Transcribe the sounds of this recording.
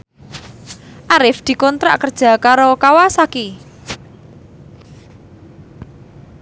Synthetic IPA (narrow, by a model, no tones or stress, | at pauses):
ʔaɾɪfd̪̥i̤kɔnt̪ɾa̰ʔkərd̥ʒ̥a̤kaɾokawasaki